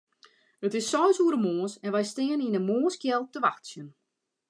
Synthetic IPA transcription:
ətɪsːɔjsuəɾəmoːəsɛnʋɛjstɪːəninəmoːskjɛlˠtəʋaxtsjən

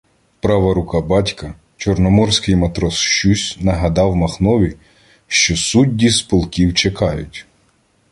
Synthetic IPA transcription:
pɾɑʋɐɾʊkɑbɑtʲkɐ | t͡ʃɔrnɔmɔrsʲkɪjmet̪ɾɔsʃt͡ʃusʲnɐɦɐd̪ɑwmɐxnɔʋʲi | ʃt͡ʃɔsudʲːispɔlˠkʲiwt͡ʃekɑjʊtʲ

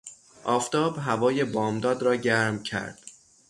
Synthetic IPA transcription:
ʔɒːft̪ɒːbɦævɒːje̞bɒːmd̪ɒːd̪ɾɒːɟæɾmcʰæ̰ɾd̪̥

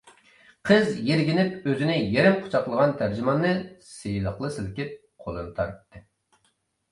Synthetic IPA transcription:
qʰəzjeɾɡʲinɪpøzɪnɪjeɾɪmqʰʊ̥t͡ʃʰɑqlˠəʁɑnt̪ʰæɾd͡ʒymɑnːɨsejlˠəχlˠɨsɨlɪkʲip̚ | qʰolˠɨnɨt̪ʰɑɾt̪ːɨ

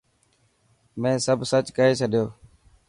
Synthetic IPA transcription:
mẽːsəbʱsət͡ʃkəɦeːt͡ʃʰəɗjoː

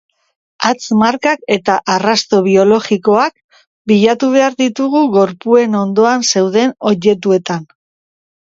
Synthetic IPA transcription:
at͡smaɾkake̞t̪aʔarast̪o̞β̞io̞lo̞ɣiko̞ak̚ | biʎat̪uβ̞e̞aɾðit̪uɣ̞uɣo̞ɾpue̞no̞nd̪o̞anse̞wðe̞no̞je̞t̪̬ue̞t̪an

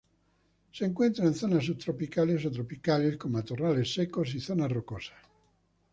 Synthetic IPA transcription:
sieiŋkwent̪ɾaĩnθɔnas̬ut̪ːɾopikalesot̪̬ɾopikalekomat̪uralesːɛkosiθɔnarokoːsḁ

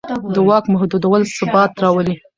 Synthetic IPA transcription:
d̪əwɑkmahd̪ud̪awəlsʊbɑt̪ɾɑwəli

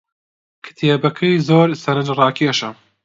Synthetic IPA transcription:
kʰɨ̥t̪ʰeːbɐkʰɐjzoːɾsɐɾɐd͡ʒrɑːkʰeːʃɐ

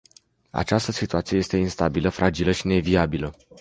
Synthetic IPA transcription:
a̰t͡ʃast̪əsit̪uat̪sijejest̪e̞inst̪abiləfɾad͡ʒiləʃine̞viabilə

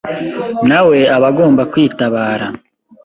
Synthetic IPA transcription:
nawe̞aβaɡo̞ːmbakwiːtaβaːɾa

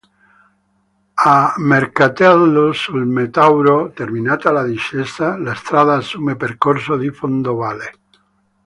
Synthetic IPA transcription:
ameɾkat̪aðlosulmet̪awɾot̪eɾmĩnat̪alaðiʃest̪alaest̪ɾaðaːsumepeɾkoɾsoðifond̪oβale

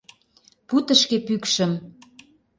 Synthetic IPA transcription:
put̪ə̆ʃkepykʃə̆m

